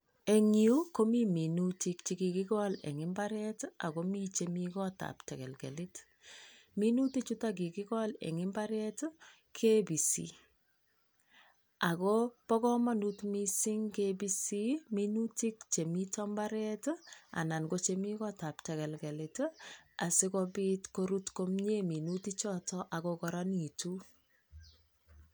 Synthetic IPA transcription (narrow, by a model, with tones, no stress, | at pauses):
e˨ŋiu˦ko˦mi˦mi˨nuti˦kt͡ʃi˨ki˨kɪ˦kɔ˦lɛ̰˨ŋɪ˦mba˦ɾɛ˦ta˨ko˦mi˦t͡ʃe˨mi˦kɔ˦ta̰˨ptɛ˨kɛ˨lkɛ̰˨li˦t | mi˦nu˦ti˦t͡ʃu˦ta˦k̬i˨ki˦kɔ˦lɛ̰˨ŋɪ˦mba˦ɾɛ˦t | kʰe˦bi˨sḭ˨ | a˨kɔ˦pɔ˦kɔ˦ma˦nu˦tmi˦si˦ŋkebi˦si˦mi˦nu˦ti˦k̚t͡ʃe˨mi˦tɔ˦mba˦ɾɛ˦ta̰˨na˨nɡo˦t͡ʃe˨mi˦kɔ˦ta˨ptɛ˨kɛ˨lkɛ˨li˨ta˨sɪ˦kɔ˦bi˦tko˦ɾu˦tko˦mɲe˦mi˨nu˦ti˦t͡ʃɔ˦tɔ˦ʔa˨kɔkɔ˨ɾɔ˦ni˨tu˦